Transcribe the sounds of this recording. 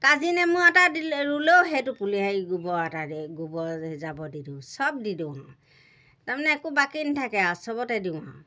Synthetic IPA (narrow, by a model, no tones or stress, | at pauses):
kazinɛmʊatadiɹulewɦejtʊpuliɦajɡubɔataɡubɔzabɔdidusɔb̚didũaʊ̃ | taɹmanɛːkubakintʰakɛasɔbɔtɛdiʊ̃aʊ̃